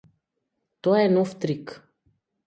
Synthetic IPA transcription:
t̪ɔaɛnɔft̪ɾik

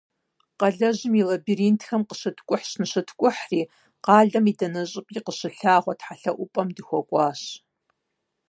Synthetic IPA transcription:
qɐɮɐʑɪmilɐbiɾiːntʰxɐmqəɕɨtʰkʷʼʊħɕnɨɕɨtʰkʷʼʊħriː | qɑːɮɐmidɐnɐɕʼɪpʼiːqəɕɨɬaːʁʷɔtħaɬɐʔʷʊpʼɐmdɨxʷɔkʷʼɑːɕ

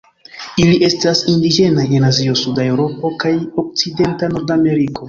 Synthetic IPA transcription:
iliʔe̞stasindid͡ʒe̞naje̞nazio̞sudaewɾo̞pokajo̞k̚t͡side̞ntano̞ɾdame̞ɾiko̞

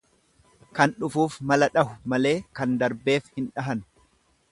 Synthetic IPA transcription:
kɐnᶑʊfuːfmɐlɐᶑɐhʊmɐle̞ːkɐnd̪ɐɾbe̞ːfhɪnᶑɐɦɐn

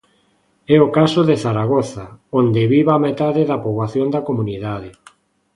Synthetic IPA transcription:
ɛokasoðeθaɾaɣ̞oθaond̪eβiβaamet̪aðeðapoβaθjond̪akomũniðaðe

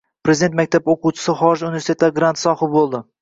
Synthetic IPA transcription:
pɾe̞zɪd̪e̞nt̪mak̚ʲt̪ʰaboquwt͡ʃʰɪ̥sɪχɒɾɪʒunɪvest̪ʰet̪laɡɾant̪sɒhɪbolˠd̪ɪ

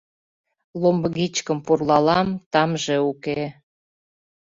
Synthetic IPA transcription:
lombəɣit͡ɕkəmpurlɑlɑmt̪ɑmʒeuke

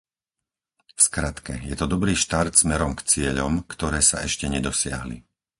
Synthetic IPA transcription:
fskɾat̪kɛjɛt̪ɔd̪ɔbɾiːʃt̪aɾt̪smɛɾɔmkt͡sɪɛʎɔmkt̪ɔɾɛːsa̰ɛʃcɛɲɛd̪ɔsɪa̰ɦlḭ

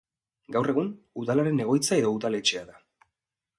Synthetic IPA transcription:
ɡawre̞ɣun | uðalaɾe̞ne̞ɣo̞jt͡sae̞ðo̞uðale̞t͡ʃe̞aða

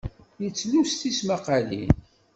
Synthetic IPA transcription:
jət͡sːlust̪ismaqalḭn

